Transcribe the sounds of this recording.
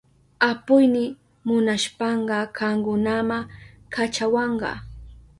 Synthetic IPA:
apʊjnɪ | mʊnaʃpɑɴɢɑɢɑŋkʊnamakʰat͡ʃawɑɴɢɑ̰

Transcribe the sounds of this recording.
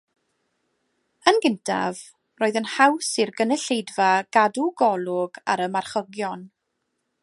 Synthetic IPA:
ənɡɪntʰa̰v | roːɨðənhawsirɡənɛɬejdvaɡ̥aduɡɔlˠʊɡaɾəmarχəɡjɔn

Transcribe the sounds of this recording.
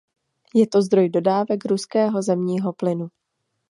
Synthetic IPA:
jɛt̪o̞zd̪ɾo̞jdo̞daːvɛkɾuskɛːɦo̞zɛmɲiːɦo̞plɪnu

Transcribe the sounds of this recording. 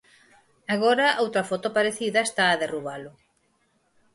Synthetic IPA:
aɣoɾɐʔowt̪ɾɐfɔt̪ʊpaɾeθiðɐest̪aːðeruβalʊ

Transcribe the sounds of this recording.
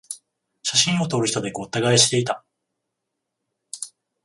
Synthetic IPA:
ɕaɕĩɰ̃o̞t̪o̞ɾɯ̟çit̪od̪e̞koːt̪ːaɡaeɕi̥t̪e̞it̪a

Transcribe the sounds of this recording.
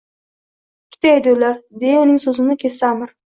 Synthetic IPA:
kʲʰːɪ̥t̪ʰajd̪ɪlaɾd̪ejaʊnɪŋsɵzɪnɪkʲʰesamɪɾ

